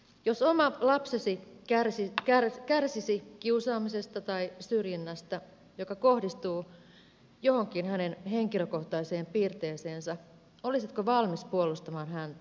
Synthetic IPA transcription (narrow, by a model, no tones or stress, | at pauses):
josomɑlɑpsesikærsikærkærsisikiusɑːmisest̪ɑt̪ɑisyrjinːæst̪æ | jokɑkohdist̪uː | johoŋkinhænenheŋkiløkoht̪ɑiseːmpiːrt̪eːseːnsɑ | olisit̪koʋɑlmispuolust̪ɑmɑːnhænt̪æ